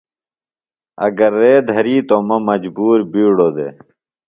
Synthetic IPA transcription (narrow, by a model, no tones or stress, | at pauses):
ɐ̰ɡəɾːeːd̪ʱɐɾiːt̪oːmɐmɐd͡ʑbuːɾbiːɽod̪ḛː